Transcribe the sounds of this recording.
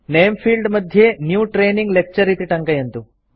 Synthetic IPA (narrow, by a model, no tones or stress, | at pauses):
neːmpʰiːlɖmɐd̪ʱjenjuːʈɾeːniŋɡlek̚t͡ʃɐɾit̪iʈɐŋkɐjɐnt̪u